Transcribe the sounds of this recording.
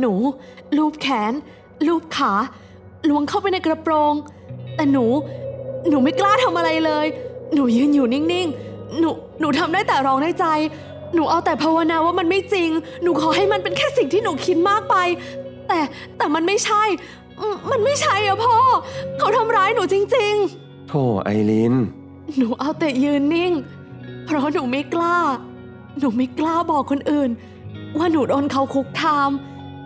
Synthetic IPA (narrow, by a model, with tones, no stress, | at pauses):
nuː˩˦ | luː˥˩p̚kʰɛː˩˦n | luː˥˩p̚kʰaː˩˦ | lu˦əŋkʰa˥˩wpa˧jna˧jkɾa˧pɾoː˧ŋ | t̪ɛː˨˩nuː˩˦nuː˩˦ma˥˩jklaː˥˩t̪ʰa˧mʔa˧ɾa˧jlɤː˧jnuː˨˩˦jɯː˧njuː˨˩ni˥˩ŋni˥˩ŋ | nuː˩˦ | nuː˩˦t̪ʰa˧mdaː˥˩jt̪ɛː˨˩ɾɔː˦˥ŋdaː˥˩jt͡ɕa˧j | nuː˩˦ʔa˧wt̪ɛː˨˩pʰa˧wa˧naː˧waː˥˩ma˧nma˥˩jt͡ɕi˧ŋ | nuː˩˦kʰɔː˨˦ɦa˥˩jma˧npe˧nkʰɛː˥˩si˨˩ŋt̪ʰiː˥˩nuː˩˦kʰi˦˥t̪̚maː˥˩k̚pa˧jt̪ɛː˨˩ | t̪ɛː˨˩ma˧nma˥˩jt͡ɕʰa˥˩j | ʔɯː˧˩ma˧nma˥˩jt͡ɕʰa˥˩jka˨˦pʰɔː˥˩kʰa˦˥wt̪ʰa˧mɾaː˦˥jnuː˩˦t͡ɕi˧ŋt͡ɕi˧ŋ | t̪ʰoː˧˩ʔa̰˧jli˧˦˥n | nuː˩˦ʔa˧wt̪ɛ˨˩jɯː˧nːi˥˩ŋ | pʰɾɔ˦˥nuː˩˦ma˦˥˩jklaː˥˩ | nuː˩˦ma˦˥˩jklaː˥˩bɔː˨˩kʰːo˧nʔɯː˨˩n | waː˥˩nuː˩˦doː˧nkʰa˧˦˥wkʰu˦˥k̚kʰːaː˧m